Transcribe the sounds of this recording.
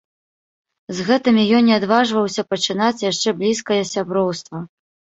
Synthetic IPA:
zɣɛt̪ɨmʲijɔnːʲɛad̪vaʐvɐwsʲɐpɐt͡ʂɨnat͡sʲjaʂt͡ʂɛblʲiskɐjɐsʲabɾɔwst̪vɐ

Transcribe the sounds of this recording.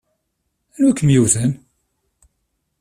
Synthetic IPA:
ænwækːənjiwθən

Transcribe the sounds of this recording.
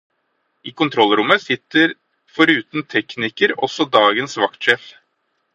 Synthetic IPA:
iːkʰʊnt̪ʰɾɔlːɾʊmːəsɪt̪ːəɾ | fɔɾʉːt̪nt̪ʰɛknɪkəɾɔsɔd̪ɑːɡənsʋɑk̚t̪ʃɛf

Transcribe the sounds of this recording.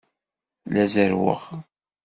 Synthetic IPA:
læzəɾwə̰χ

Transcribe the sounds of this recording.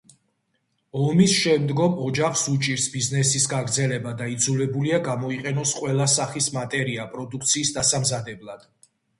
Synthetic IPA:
ɔmisʃɛmd̪ɡɔmɔd͡ʒaχsut͡ʃʼiɾsbiznɛsisɡaɡɾd̪zɛlɛbad̪aid̪zulɛbuliaɡamɔiqʼɛnɔsqʼwɛlˠasaχismat̪ʼɛɾiapʼɾɔd̪ukʰt̪sʰiːsd̪asamzad̪ɛblˠad̪̥

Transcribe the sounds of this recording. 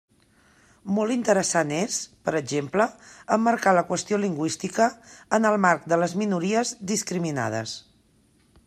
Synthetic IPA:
mɔlˠt̪int̪əɾəsanezpəɾəʒempləəmːəɾkaləkwəst̪ioliŋɡwist̪ikəːnəlˠmark̚d̪ələzminuɾiəzðiskɾimina̰ð̞ə̰s

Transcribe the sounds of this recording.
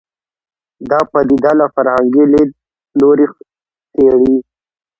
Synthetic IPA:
d̪ɑpad̪id̪alafaɾaŋɡile | loɾi | t̪eɽi

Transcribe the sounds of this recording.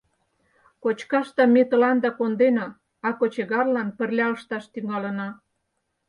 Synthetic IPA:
kot͡ɕkɑʃt̪ɑmet̪ə̆lɑnd̪ɑkond̪enɑ | ɑkot͡ɕeɣɑrlɑnpə̆rlʲɑəʃt̪ɑʃt̪yŋɑlə̆nɑ

